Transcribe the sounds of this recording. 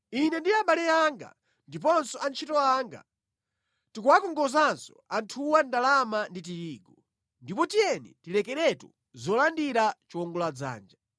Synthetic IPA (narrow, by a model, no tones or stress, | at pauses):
inɛndiaɓalɛaŋɡa̰ | ndip̬ɔnsɔant͡ʃʰitɔaːŋɡa̰ | tikuwakɔŋɡɔzansɔantʰuwandalamandit̬iɾiːɡɔ | ndipɔtijɛnḭtilɛkɛɾɛtu | zɔlandiɾat͡ʃiwɔŋɡɔlad͡za̰ːnd͡ʒa